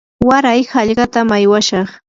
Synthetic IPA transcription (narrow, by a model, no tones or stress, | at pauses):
waɾajhɑʎɢɑt̪amajwaʃɑχ